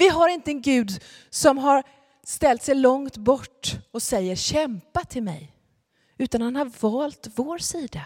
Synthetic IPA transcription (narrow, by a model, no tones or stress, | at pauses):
vɪɦaɾɪnt̪əɛnɡʉ̟ːd̪ | sɔmɦaɾ | st̪ɛlt̪sɛjlɔŋt̪bɔʈːɔsɛjːəɾɕɛmpat̪ʰɪlmɛ̰j | ʉ̟ːt̪anhanhaɾvɑːlt̪voːɾsiːd̪a